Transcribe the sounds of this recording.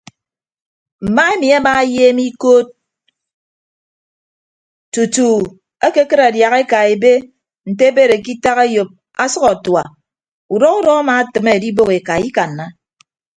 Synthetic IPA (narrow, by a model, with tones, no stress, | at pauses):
m̩˨ma˦e˦mi˨a˦ma˦jeː˦mi˦koː˦t̚ | tu˨tu˨ | a˦ke˦kɨ˦ɾa˨dja˨ɣe˦ka˨e˨be˦ | n̩˨te˦e˦be˦˨ɾe˨ki˦ta˦ɣe˦jo˨p̚ | a˦sʌ˦kɔ˨twa˨ | u˨dɔ˦ɣu˦dɔ˦a˦ma˨˦tɨ˨me˦e˨di˦bo˦ɣe˨ka˨i˦ka˨n̩ː˨a˦